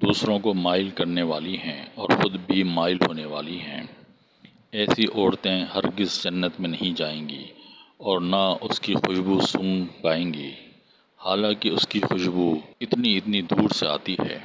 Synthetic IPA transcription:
d̪uːsɾõkomaːɪlkɐɾneʋaːliɦɛ̃ɔːɾxʊd̪bʱimaːɪlɦoːneʋaːliɦɛ̰̃ː | ɛːsiʔɔːɽt̪ẽhɐɾɡɪzd͡ʒɐnːət̪mẽnɐɦĩd͡ʒaːẽːɡḭːɔːɾnaʊskixʊʃbusʊ̃ŋɡpaːẽːŋɡḭː | haːlãːkeʊskixʊʃbuɪt̪niɪt̪nid̪uːɾsea̰ːt̪iɦɛ̰ː

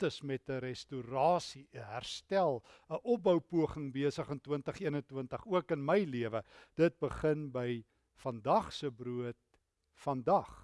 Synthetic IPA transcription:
təsmɛtəɾɛstuɾɑːsiʔəɦærstælˠəʔɔp̚bɐwpuəχəŋbiəsəχəntwəntəχiənəntwəntəχuəkənməjliəvəd̥ət̚bəχənbəj | fɐndɐχsəbruət̚ | fɐndɐχ

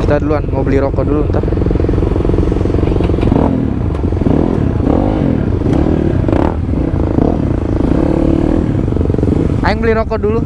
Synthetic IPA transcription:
it̪adluanmobəliɾokɔdulunt̪a | aɪŋbəliɾokɔdulu

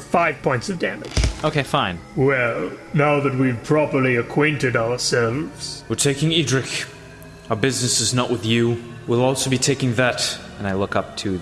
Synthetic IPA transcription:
faɪv̥pʰɔ̃ɪ̃ntsʌvdæmɪd̥ʒ̥ʔoʊkʰeɪfãɪ̃nwɛlˠnaʊðɨt̚wiv̥pʰɹ̥ɑpə˞liɨkʰw̥ẽɪ̃ntɨɾaʊə˞sɛlˠvz̥wəɹtʰeɪkɪ̃ŋidɹɪk | aə˞bɪznɨsɨznəʔwɨðjɨ | wilˠɔlˠsoʊbitʰeɪkɪ̃ŋðɨt | ɨ̃naɪlʊkʌp̚tʰɨ

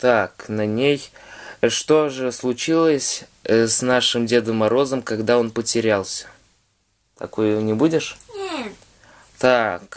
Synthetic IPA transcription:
t̪aknɐnʲej | ʂt̪o̞ʐɨslˠʊt͡ɕilˠəsʲ | snaʂɨmdʲe̞d̪əmːɐɾo̞zəmkɐɡd̪ao̞npətʲɪɾʲalˠsʲə̥ | t̪ɐ̰ko̞jnʲɪbudʲɪʂ | t̪ak

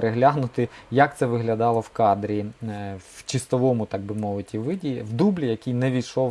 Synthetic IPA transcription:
ɾeɦlʲaɦnʊt̪ɪjɐk̚t̪sɛʋɪɦlʲɐd̪ɑlˠɔwkɑd̪ɾʲiwt͡ʃɪst̪ɔʋɔmʊt̪ɑɡ̚bɪmɔʋɪtʲiʋɪdʲiwd̪ublʲijɐkʲijnɛʋʲijʃɔw

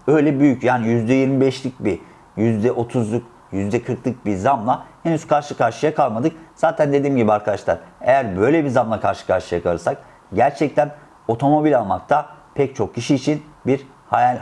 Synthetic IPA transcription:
ø̞jlʲɛbyjycjaːnijyzd̪ɛjiɾmibɛʃlʲic̚bi | jyzd̪ɛʔo̞t̪ʰuzlˠuk | jyzd̪ɛkʰɯɾklˠɯk̚bizamlˠahenyskʰaɾʃɯkʰaɾʃɯjakʰalˠmad̪ɯk̚z̥aːt̪ʰænd̪e̞d̪iːmɟibiaɾkʰad̪aʃlˠa̰ɾḛjæɾbø̞jlʲɛbizamlˠakʰaɾʃɯ̥kʰaɾʃɯjakʰalɯɾsak̚ | ɟæɾt͡ʃʰɛc̚t̪ʰæn | o̞t̪ʰo̞mo̞bilʲalˠmak̚t̪ʰapʰɛc̚t͡ʃʰo̞k̚cʰiʃiːt͡ʃʰinbiɾ | hajalʲ

